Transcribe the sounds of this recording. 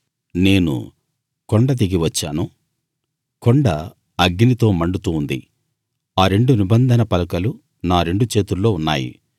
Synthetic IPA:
ne̞ːnṵ | koɳɖɐt̪̬iɡiʋɐt͡ʃːaːnu | koɳɖɐ | ɐɡinit̪o̞ːmɐɳɖut̪uːnd̪ḭ | aːɾe̞ɳɖunibɐnd̪ʱɐnɐpɐlɐkɐlu | naːɾe̞ɳɖut͡ʃe̞ːt̪ulːo̞ːunːaːjḭ

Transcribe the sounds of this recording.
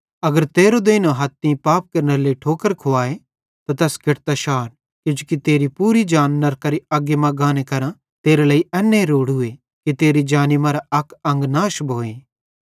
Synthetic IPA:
ɐɡəɾt̪eːɾod̪eːnoɦɐt̪ːĩpaːp̚kɐɾnəɾleiʈʰoːkəɾkʰoaːe | t̪at̪ɛːskʰɪʈt̪aʃaːɾ | kʊ̃d͡ʒukit̪eːɾipuːɾid͡ʒaːnːɐɾkɐɾiɐɡemɐ̃ɡãːnekɐɾã | t̪eːɾeleːiʔɛːnːeɾoːɽɦʊe | kit̪eːɾid͡ʒaːnimãɾaɐkɐ̃ŋɡnaːʃbʱoːeː

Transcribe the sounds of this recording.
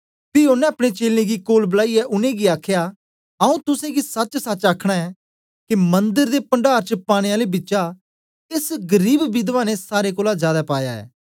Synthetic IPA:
piʊnːɛ̃ɐpɽ̃et͡ʃeːlnẽɡikoːlbəlaːiɛʔʊnẽɡiaːkʰjaː | ɐũt̪ʊsẽɡisɐt͡ʃsɐt͡ʃaːkʰɽ̃aɛː | kimɐ̃nd̪əɾd̪epɐ̃ɳɖaːɾt͡ʃəpaːɽ̃eaːlebɪːʃa | ɪsɡəɾiːbbid̪ʋaːnesaːɾekoːlazjaːd̪apaːjaɛ̰ː

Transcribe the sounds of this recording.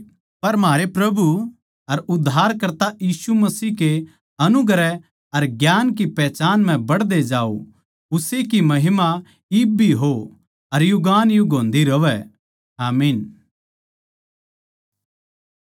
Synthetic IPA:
pɐɾmaːɾepɾɐbu | ɐɾʊd̪ʱːaːɾkɐɾt̪ajiːsumɐsiːke | ɐnʊɡɾɛ | ɐɾɡjaːnk̬ipɛːt͡ʃaːnm̤ɛ̃bɐɽd̪ed͡ʒaːo̰ | ʊsekimɐɦɪma | ɪbʱiɦo | ɐɾjʊɡaːnjuɡõːnd̪iɾɐʋɛ | aːmiːn

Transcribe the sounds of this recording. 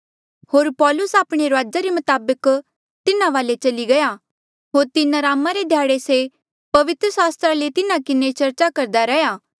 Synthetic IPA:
hoːɾpɔːlʊsaːpɽ̃eɾoaːd͡ʒaɾemʊt̪aːbək | t̪ɪnãʋaːlet͡ʃɐliɡɐja | ɦoːɾt̪ɪnɾaːmaɾed̪ʱjaːɽese | pɐʋɪt̪ɾəsaːst̪ɾalet̪ɪnãkɪnet͡ʃɐɾt͡ʃakɐɾd̪aɾɛjaː

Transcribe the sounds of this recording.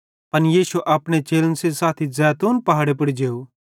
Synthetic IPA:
pɐnjiːʃuʔɐpɽ̃et͡ʃeːlənsesaːt̪ʰizɛːt̪uːnpɐɦaːɽep̬ɐɽid͡ʒeːu

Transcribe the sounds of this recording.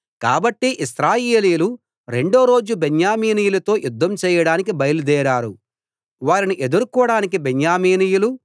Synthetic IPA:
kaːbɐʈːiʔisɾaːjeːliːjulu | ɾe̞ɳɖo̞ːɾo̞ːd͡ʒubeɲjaːmiːnijulɐt̪o̞ːjud̪ːɐmt͡ʃɛːjɐɽaːnik̬ibɐjɐlud̪ɛːɾaːɾu | ʋaːɾiniʔe̞d̪uɾkɔːɐɽaːnik̬ibeɲjaːmiːnijulu

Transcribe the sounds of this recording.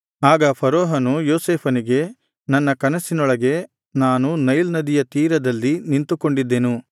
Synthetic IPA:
aːɡɐpʰɐɾɔːɦɐnujoːseːpʰɐniɡe̞ | nɐnːɐkɐnɐsinɔɭɐɡe̞ | naːnunɐjlnɐd̪ijɐt̪iːɾɐd̪ɐlːinint̪uko̞ɳɖid̪ːe̞nu

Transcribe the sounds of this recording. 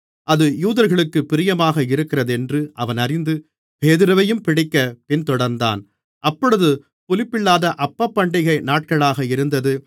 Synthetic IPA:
ʔɐðɯjuːðɐɾɣɐɭɯkːɯpːɪɾɪjɐmaːɣɐɪɾɯkːɪrɐðɛndrɯʔɐʋɐnɐɾɪnd̪ɯ | peːðɯɾɐʋɐjɯmpɪɽɪkːɐpɪnt̪ɔɽɐɾnd̪a̰ːn | ʔɐpːɔɽɯðɯ | pɔlɪpːɪɭːaːðɐʔɐpːɐpːɐɳɖɪɣɐɪnaːʈ̚kɐɭaːɣɐɪɾɯnd̪ɐðɯ

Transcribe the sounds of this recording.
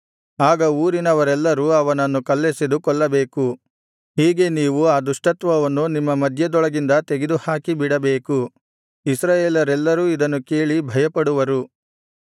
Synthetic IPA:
aːɡɐuːɾinɐʋɐɾɛlːɐɾuɐʋɐnɐnːukɐlːesed̪ukɔɭːɐbeːku | ɦiːɡe̞niːʋuaːd̪uʂʈɐt̪ʋɐʋɐnːunimːɐmɐd̪ʱjɐd̪ɔɭɐɡind̪ɐt̪e̞ɡed̪uhaːkibiɽɐbeːku | isɾaːjeːlɐɾɛlːɐɾuːid̪ɐnːuke̞ːɭibʱɐjɐpɐɽuʋɐɾu

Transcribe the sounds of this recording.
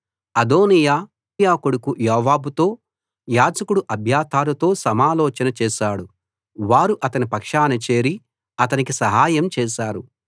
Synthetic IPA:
ɐd̪oːnijaː | jaːkuɽukujɔːʋaːbut̪o̞ː | jaːd͡ʒɐkuɽuʔɐbʱjaːt̪aːlut̪o̞ːsɐmaːlɔːt͡ʃɐnɐt͡ʃɛːʃaːɽu | ʋaːɾuʔɐt̪ɐnipɐkʂaːnɐt͡ʃe̞ːɾi | ɐt̪ɐnikisɐɦaːjɐmt͡ʃɛːʃaːɾu

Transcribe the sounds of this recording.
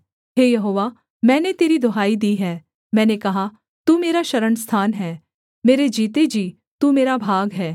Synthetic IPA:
ɦeːjɐɦoːʋa | mɛ̃ːnet̪eːɾid̪ʱoɦaːid̪iːɦɛː | mɛ̃ːnekɐɦa | t̪uːmeːɾaʃɐɾəɳst̪ʰaːnɦɛː | meːɾed͡ʒiːt̪ed͡ʒiː | t̪uːmeːɾabʱaːɡɦɛː

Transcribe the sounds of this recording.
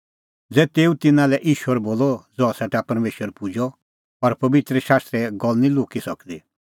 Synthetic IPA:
d͡zɛt̪eːũt̪ɪnãlɛʔiːʃuɛɾboːlɔd͡zɔasɛʈapɐɾmeːʃəɾpud͡ʒɔ | ɔɾpɐbɪt̪ɾəʃaːst̪ɾɛɡɔlnĩloːkisɐkd̪i

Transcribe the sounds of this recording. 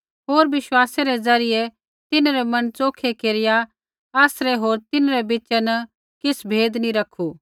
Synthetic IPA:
ɦoːɾʋɪʃwaːseɾɛd͡zɐɾɪjɛ | t̪ɪnɾɛmɐnt͡soːkʰekeːɾɪja | aːsɾɛɦoːɾt̪ɪnɾɛbɪt͡ʃɛnɐ | kɪsbʱeːd̪niɾɐkʰu

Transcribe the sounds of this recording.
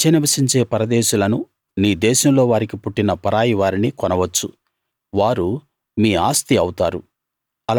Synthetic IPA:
t͡ʃeniʋɐsiɲt͡ʃe̞ːpɐɾɐd̪eːʃulɐnu | niːd̪ɛːʃɐmlo̞ːʋaːɾikipuʈːinɐpɐɾaːjiʋaːɾinikɔnɐʋɐt͡ʃːu | ʋaːɾu | miːaːst̪iɐwut̪aːɾṵ | ɐl

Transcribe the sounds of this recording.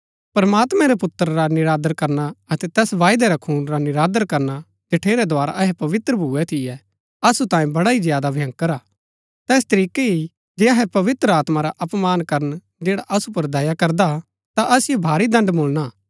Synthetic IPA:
pɐɾɐmaːt̪mɛ̃ɾɛpʊt̪ːəɾɾanɪɾaːd̪əɾkɐɾnaɐt̪ɛt̪ɛːsʋaːɪd̪ɛɾakʰuːnɾanɪɾaːd̪əɾkɐɾna | d͡ʒɐʈʰeːɾɛd̪oaːɾa̰ʔɐɦɛpɐʋɪt̪ɾəbʱuːɛt̪ʰɪjɛ | ɐsut̪ãːjẽbɐɽaizɪjaːd̪abʱjɐ̃ŋkɐɾaː | t̪ɛːs̬t̪ɐɾiːkei | d͡ʒeːɐɦɛpɐʋɪt̪ɾəaːt̪maɾaʔɐpmaːnkɐɾən | d͡ʒeːɽaʔɐsupɐɾd̪ɐjakɐɾd̪a | t̪aʔɐsɪjobʱaːɾid̪ɐ̃ɳɖmoːlna

